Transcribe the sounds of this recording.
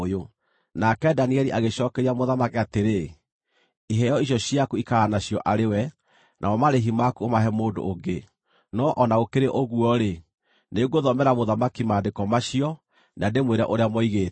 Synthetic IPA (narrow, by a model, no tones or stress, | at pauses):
jo | nakɛdaniɛɾiʔaɣeɕɔːkɛɾiamoðamakeateɾe | iɦɛɔiɕ̬jɔɕiakuikaanaɕijɔʔaɾewɛ | nʔa̰ɔmaɾeɦimakuomaɦɛmoːdo̰ʔːɡe | nɔʔɔnaɣokeɾeʔoɣwɔɾe | neɡoðɔmɛɾamoðamakimaːdekɔmaʃiɔ | nandemweɾɛ̰ʔoɾeamɔiɣeː